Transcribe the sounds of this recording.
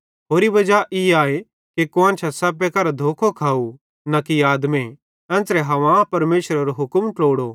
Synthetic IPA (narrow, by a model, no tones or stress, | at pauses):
ɦoːɾibɐd͡ʒaʔiaːe | kekoãːnt͡ʃʰasɐpːekɐɾad̪ʱoːkʰokʰaːu | nakiaːd̪mẽ | ɛ̃ːnt͡sɾɛɦɐʋãpɐɾmeːʃɾaɾoɦʊkmʈloːɽo